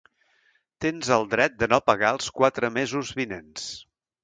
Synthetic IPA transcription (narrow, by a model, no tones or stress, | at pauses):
t̪enzəlˠd̪ɾɛt̪̚d̪ənopəɣaəlˠskwat̪ɾəmezuzβinens